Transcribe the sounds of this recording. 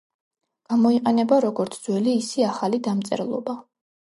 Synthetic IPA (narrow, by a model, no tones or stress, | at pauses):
ɡ̥amɔiqʼɛnɛbaɾɔɡɔɾt̪sʰd̪z̥wɛliːsiaχalid̪amt̪sʼɛ̰ɾlˠɔ̰ba